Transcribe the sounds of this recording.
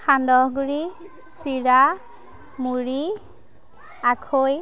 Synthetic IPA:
kʰandɔɦɡuɹi | siɹa | muɹi | akʰoj

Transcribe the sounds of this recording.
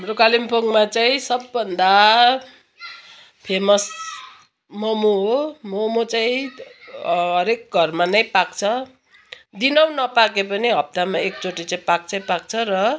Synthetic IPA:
ɦamrokalimpʰoŋɡmat͡saĩsʌbːʌnd̪a | pʰemʌs | mʌmoɦomʌmot͡saĩ | ɦɦʌɾek̚ɡʱʌrmanʌjpak̚t͡sʰʌ | d̪inʌw̃nʌpakepʌniɦʌp̚t̪amaek̚t͡soʈit͡saĩpak̚t͡sʰʌĩpak̚t͡sʰʌrʌ

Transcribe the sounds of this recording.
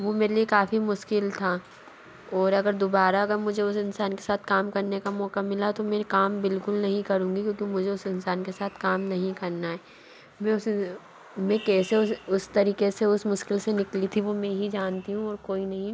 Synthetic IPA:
ʋomeːɾeliekaːfimʊʃkɪlt̪ʰa | ɔːɾɐɡəɾd̪oːbaːɾaɐɡəɾmʊd͡ʒʱeʊsɪnsaːnke̥saːt̪ʰkaːmkɐɾnekamɔːkamɪlat̪omẽkaːmbɪlkʊlnɐɦĩkɐɾũːŋɡikjõːkimʊd͡ʒʱeʊsɪnsaːnkesaːt̪ʰkaːmnɐɦĩkɐɾnaɦɛː | mɛ̃ʊs | mɛ̃kɛːseʊʊst̪ɐɾiːkeseʊsmʊʃkɪlsenɪklit̪ʰiʋomɛ̃ɦid͡ʒaːnt̪iɦũɔːɾkoːinɐɦĩ

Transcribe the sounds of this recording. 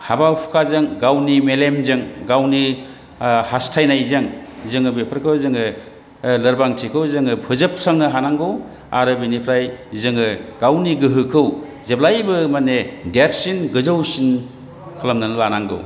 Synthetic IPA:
habawpʰu̥kʰazɯŋɡawnimelemzɯŋɡawni | hastʰajnajzɯŋzɯŋɯbepʰɯɾkʰɯwzɯŋɯ | lɐɾbaŋtʰikʰɯwzɯŋɯpʰɯzɯp̚ʰsaŋnɯɦanaŋɡɯw | aɾɯbinipʰɾajzɯŋɯɡ̥awniɡɯɦɯkʰɯw | zeplajbɯmanedeɾsinɡɯzɯwsin | kʰɯlamnɯnɯlanaŋɡɯ̰w

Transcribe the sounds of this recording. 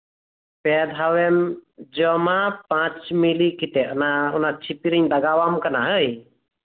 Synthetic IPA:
pɛd̪ʱawɛmd͡ʒɔmapãt͡ʃmilikit̪ɛʔɔnaunat͡ʃʰipiɾiɲd̪aɡawamkanaɦəj

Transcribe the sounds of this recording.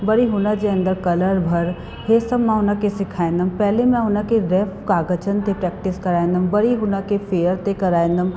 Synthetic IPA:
bɐɾiɦʊnad͡ʒeɐ̃nd̪əɾkɐləɾbʱɐɾ | ɦesəbmãɦʊnãkesɪkʰaːẽnd̪əmpɛɦlemɛ̃ʊnãkeɾɛːfkaːɡət͡ʃənt̪epɾɛːk̚ʈɪskɐɾaːẽnd̪əmbɐɾiɦʊnakefʰeːəɾt̪ekɐɾaːẽnd̪əm

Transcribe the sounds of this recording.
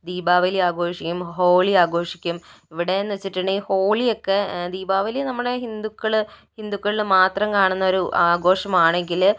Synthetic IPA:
d̪iːbaːʋɐliaːɡo̞ːʂikʲːumɦo̞ːɭiaːɡo̞ːʂikʲːum | iʋiɽe̞nːɨʋɐt͡ɕːiʈːuɳɖɨho̞ːɭijo̞kːed̪iːbaːʋɐlinɐmːɐɽehind̪ukːɐɭ | hind̪ukːɐɭilmaːt̪rɐmkaːɳunːɐo̞ɾuaːɡo̞ːʂɐmaːɳe̞ŋɡil

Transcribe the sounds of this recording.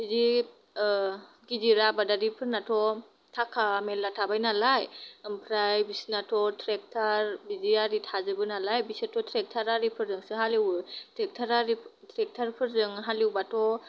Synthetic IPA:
izi | ɡiziɾabadaɾipʰɯɾnatʰɔ | tʰakʰamelːatʰabajnalajɯmpʰɾajbisinatʰɔtʰɾɛk̚tʰaɾbiziaɾitʰazɯbɯnalajbisɯtʰɔtʰɾɛk̚tʰaɾaɾipʰɯɾzɯŋsɯɦaliwɯtʰɾɛk̚tʰaɾaɾitʰɾɛk̚tʰaɾpʰɯɾzɯŋɦaliwbatʰɔ

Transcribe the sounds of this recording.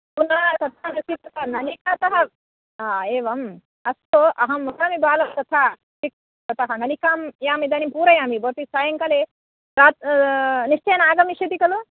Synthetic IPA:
unɐɾt̪ɐt̪ʰanɐsit̪ɐt̪ʰɐnɐnikɐt̪ɐɦɐ | eːʋɐm | ɐsoʔɐɦɐmʋɐkaːmibaːlɐmt̪ɐt̪ʰaː | ik̚ | t̪ɐt̪ɐɦɐnɐnikaːmjaːmid̪ɐnimpuːɾɐjaːmiboɾt̪isaːjɐŋkɐle | ɾaːt̪niʃt͡ʃɐjɐnaːɡɐmiʃɐt̪ikɐlo

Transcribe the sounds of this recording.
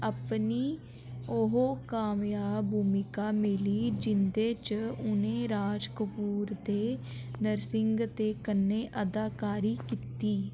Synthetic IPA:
əpniː | oɦoːkaːmjaːbʱuːmɪkaːmɪliːd͡ʒɪnd̪eːt͡ʃʊnẽːɾaːd͡ʒkəpuːɾd̪eːnəɾsɪŋɡt̪eːkənːeːʔəd̪aːkaːɾiːkit̪iː

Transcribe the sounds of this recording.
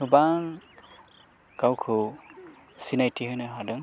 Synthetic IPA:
hɯbaŋ | kawkʰɯ | sinajtʰiɦɯnɯɦadɯŋ

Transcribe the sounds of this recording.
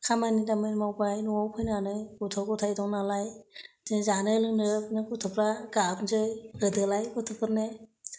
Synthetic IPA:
kʰamanidamɯjnmawbajnuawpʰɯjnanɯɡɔtʰɔkɔtʰajdɔŋnalajzɯnzanɯlɯnɯpʰɯnɯkɔtʰɯpʰɾaɡatnzɯjɡɯdɯlajkɯtʰɯpʰɯɾne

